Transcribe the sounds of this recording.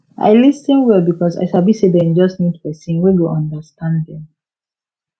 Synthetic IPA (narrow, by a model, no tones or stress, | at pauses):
ʔa̰ɪlisə̃nwɛlbikɔsa̰ɪʃabisedɛ̃nd͡ʒʌsnidpɛsĩnweɡoʔɔ̃ndəstãndðɛ̃m